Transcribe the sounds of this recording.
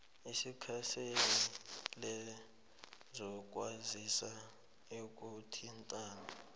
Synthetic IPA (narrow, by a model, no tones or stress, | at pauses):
isikʰasenilɛ | zɔk̬ʼwazisa | ok̬ʼutʰintʼaːna